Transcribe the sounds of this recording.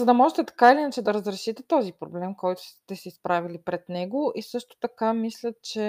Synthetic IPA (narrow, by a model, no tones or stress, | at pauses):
zɐd̪ɐmɔʒɛt̪ɛt̪ɐ̥kailinɐt͡ʃɛd̪ɐɾəzɾɛʃit̪ɛt̪ɔzipɾoblɛmkɔjt̪ʊ̥st̪ɛsɛispɾavilipɾɛd̪nɛɡoisɤʃt̪o̥t̪ɐkamislʲɐt̪t͡ʃɛ